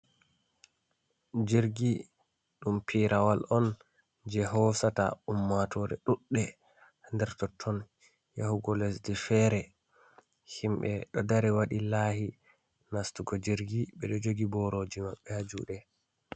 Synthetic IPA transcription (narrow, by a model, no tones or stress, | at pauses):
d͡ʒiɾɡi | ɗumpʰiɾʔawalɔn | d͡ʒɛɦɔsata̰umːatʰɔɾɛ̰ɗuɗːɛ | ndɛɾtɔtʰːɔn | jahuɡɔlɛsdɛfɛɾɛ | himɓɛɗɔdaɾɛwaɗilaːhi | nastuɡɔd͡ʒiɾɡiɓɛɗɔd͡ʒoɡibɔɾod͡ʒimaɓːɛhad͡ʒuɗɛ